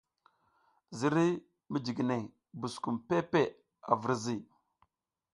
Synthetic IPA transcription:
zi˨ɾi˦ | mi˦d͡ʒi˨ɡne˨ | bu˨sku˨mpe˦pe˦ | a̰˨və˨ɾzi˦˨

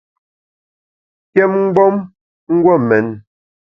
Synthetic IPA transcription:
kjɛ˦mŋ̩˦ɡ͡bɔ˦m | ŋ̩˦ɡwɔ˦˨mɛ˨˦n

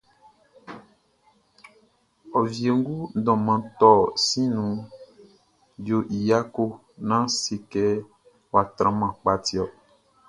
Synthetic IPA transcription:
ɔ˨vi˨e˨ŋ˦ɡu˦n˦dɔ̃˨mã˨t̪ɔ˦˨sĩ˦nũ˨ | d͡ʒo˨ʔi˨ja˦ko˦ | nã˦si˨kɛ˦ | wa˨t̪ɾã˨˦mã˨k͡pa˨ti˨˦ɔ˨

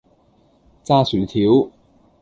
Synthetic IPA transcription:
t͡saː˥syː˨˩t̪ʰiː˨˥w

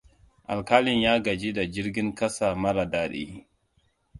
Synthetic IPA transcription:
ʔa˨lka˦lɪ˦njaː˦ɡa˨d͡ʒi˦da˨d͡ʒɪ˦ɾɡʲɪ˦ŋkɐ˦sa˨mɐ˦ɾa˨daː˨˦ɗḭ˦

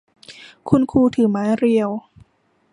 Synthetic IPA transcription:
kʰu˧nkʰuː˧˩t̪ʰɯː˩˦maː˨˦˥jɾi˧əw

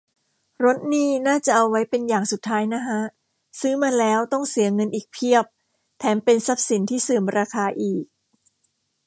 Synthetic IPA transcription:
ɾo˦˥t̪̚niː˥˩naː˥˩t͡ɕa˨˩ʔa˧wːa˦˥jpe˧njaː˨˩ŋsu˨˩t̪ʰːaː˦˥jna˦˥kʰa˦˥ʔ | sɯː˦˥maː˧lɛː˦˥wt̪ɔ˥˩ŋsi˨˩˦əŋɤ˧nʔiː˨˩k̚pʰi˥˩əp̚ | t̪ʰɛː˩˦mpe˧nsa˦˥p̚si˩˦nt̪ʰiː˥˩sɯː˨˩mɾaː˧kʰaː˧ʔiː˨˩k̚

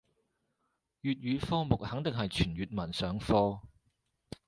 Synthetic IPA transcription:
jyː˨t̚jyː˨˧fɔː˥mʊ˨k̚hɐ˨˥ŋt̪ɪ˨ŋɦɐ˨jt͡ʃʰyː˨˩nɥyː˨t̚mɐ˨˩nsœː˨˥ŋfɔː˥

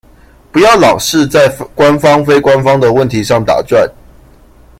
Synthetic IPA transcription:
pu˨˥jɑ˥˩ʊlɑ̰˨˩ʊʂɻ̩˥˧t͡sa˥˩ɪkwa˦nfɑ˥ŋfe˥ɪkwa˦nfɑ˥ŋd̪ə˨wə˥˨˩nt̪ʰi˨˦ʂɑ˥˩ŋt̪a̰˨˩t͡swa˥˨n

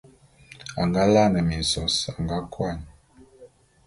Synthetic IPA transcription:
a˨ŋɡa˦la˦˨nɛ˨mi˨n˨sɔ˨sa˨ŋɡa˦kwa˦˨ɲ˨

